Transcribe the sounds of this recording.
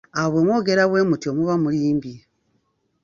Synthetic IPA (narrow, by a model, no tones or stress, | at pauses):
aβwe̞mwo̞ːɡe̞ɾaβwe̞ːmutio̞muβamuliːmbje